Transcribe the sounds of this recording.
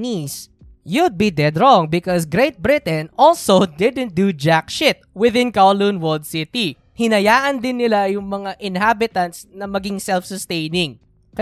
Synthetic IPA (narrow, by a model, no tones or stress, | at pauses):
nis | jud̪̚bid̪ɛd̪ɹɔ̃ŋbɪkɔsɡɾejt̪̚bɹɪt̪ɛ̃nʔɔlsod̪ɪd̪ɛ̃nt̪̚d̪ud͡ʒakʃɪt̪̚wɪðɪ̃nkawlunwɔld̪̚sɪt̪i | hɪnɐjaːʔɐnd̪ɪnːɪlajʊŋmɐŋaʔɪnɦabɪt̪ɐnt̪snɐmɐɡiŋsɛlfsɔst̪ejnɪŋ | kɐ